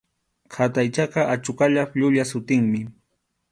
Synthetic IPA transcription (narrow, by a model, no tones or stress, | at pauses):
kʰat̪ajt͡ʃɑqɑʔat͡ʃʊkaʎapʎʊʎasʊt̪ɪŋmɪ